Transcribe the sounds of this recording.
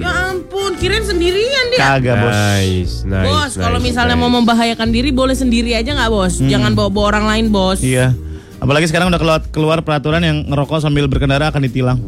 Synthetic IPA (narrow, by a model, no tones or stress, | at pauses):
jampʊnkiɾɪnsəndiɾiandiaɡabɔssnabɔskalomisalɲamaməmbaɦajakandiɾibolɛhsəndiɾiad͡ʒaŋɡaʔbɔsd͡ʒaŋanbawabɔoɾaŋlaɪnbɔsija | apalaɡis̬əkaɾaŋudakəlawat̪̚kəluarpəɾat̪uɾanjaŋɾokɔs̬ambɪlbərkəndaɾaːkanit̪ilaŋ